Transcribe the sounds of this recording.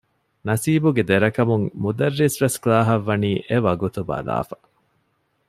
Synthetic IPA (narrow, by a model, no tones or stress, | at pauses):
nɐsiːbuɡed̪eɾɐkɐmuŋmud̪ɐrːisʋesklaːɦɐʋːɐniːʔeʋɐɡut̪ubɐ̰la̰ːfɐ̥